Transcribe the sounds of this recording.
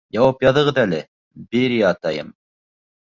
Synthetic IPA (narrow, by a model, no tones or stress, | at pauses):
jɑwɑpjɑðɤ̆ʁɤðælɘ | beɾiɑt̪ɑjɤm